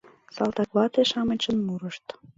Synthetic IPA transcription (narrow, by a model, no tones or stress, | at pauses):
sɑlt̪ɑkβɑt̪eʃɑmə̆t͡ɕə̆nmuɾəʃt̪